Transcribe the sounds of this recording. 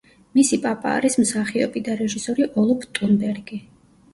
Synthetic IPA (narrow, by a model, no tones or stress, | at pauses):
misipʼapʼa̰ːɾismsaχiɔ̰pʼid̪aɾɛʒisɔɾiʔɔlˠɔpʰt̪ʼunbɛɾɡi